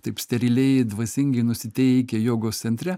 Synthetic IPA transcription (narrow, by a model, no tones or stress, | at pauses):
t̪ɐɪpsʲt̪ʲɛɾʲɪlʲɛjd̪ʋɐsʲɪŋʲɡʲɛɪnʊsʲɪt̪ʲɛɪkʲɛjoːɡoːst̪sʲɛnʲt̪ʲɾʲɛ